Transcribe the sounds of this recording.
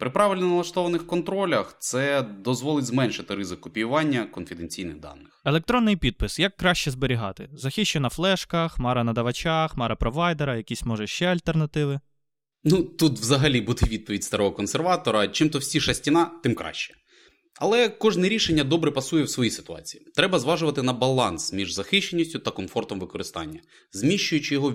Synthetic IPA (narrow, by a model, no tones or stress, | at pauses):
pɾɪpɾɑʋɪlʲnɔnɐlˠɐʃt̪ɔʋɐnɪxkɔnt̪ɾɔlʲɐxt̪sɛd̪ɔzʋɔlˠɪtʲzmɛnʃɪt̪ɪɾɪzɪkʊpʲijʊʋɑnʲːɐkɔnfʲɪd̪enʲt͡sʲijnɪɣd̪ɑ̰nːɪxelˠek̚t̪ɾɔnːɪjpʲid̪̚pɪsjɐkːɾɑʃt͡ʃɛzbeɾʲiɦɑ̰t̪ɪ̰zɐxʲiʃt͡ʃɛnɐflˠɛʃkɐxmɑɾɐnɐd̪ɐʋɐt͡ʃaxmɑɾɐpɾɔʋɑjd̪eɾɐjɐkʲisʲmɔʒɛʃt͡ʃɛɐlʲt̪ernɐt̪ɪʋɪ | nut̪ut̪ʋzɐɦɐlʲibud̪ɛʋʲid̪̚pɔʋʲidʲst̪ɐɾɔɦɔkɔnserʋɑt̪ɔɾɐt͡ʃɪmt̪ɔwsʲiʃɐsʲtʲinɑt̪ɪmkɾʔɑ̰ʃt͡ʃɛ̥ | ɐ̰lˠɛkɔʒnɛɾʲiʃenʲːɐd̪ɔbɾɛpɐsujɛwsʋɔjisɪ̥t̪ʊɑ̰t͡sʲi̥jit̪ɾɛbɐzʋɑʒʊʋɐt̪ɪnɐbɐlˠɑnsmʲiʐzɐxɪʃt͡ʃːenʲːisʲtʲʊt̪ɐkɔmfɔrt̪ɔmʋɪkɔɾɪst̪ɑ̰nʲːɐ | zmʲiʃt͡ʃʊjʊt͡ʃɪjɔɦɔ